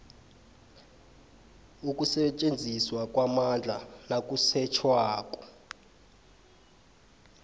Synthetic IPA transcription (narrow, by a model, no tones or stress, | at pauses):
ukʼusɛt͡ʃʼend͡zʱiswakʼwamand͡ɮʱanakʼusɛt͡ʃʰwaːk̬ʼɔ̥